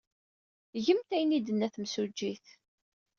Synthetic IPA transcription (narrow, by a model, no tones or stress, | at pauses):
ʝəmt̪æjnid̪ənːæθmsud͡ʒːiθ